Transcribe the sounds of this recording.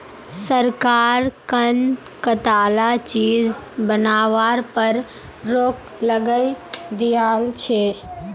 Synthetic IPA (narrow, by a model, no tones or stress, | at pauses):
səɾkaːɾkən | kət̪aːlat͡ʃiːzbənaːʋaːɾpəɾ | ɾoːk | ləɡəid̪ijaːlt͡ʃʰeː